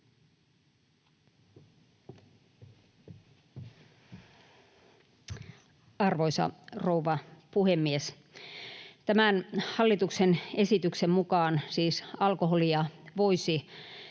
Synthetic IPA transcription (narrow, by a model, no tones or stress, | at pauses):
ɑrʋoisɑ̰rouʋɑpuhemːies | t̪æmænhɑlːit̪uksene̞sit̪yksemmukɑːnsiːsɑlkoɦolijɑʋoisi